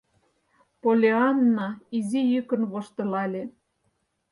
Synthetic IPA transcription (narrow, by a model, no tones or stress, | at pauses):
polʲeɑnːɑizijykə̆nβoʃt̪ɤ̆lɑlʲe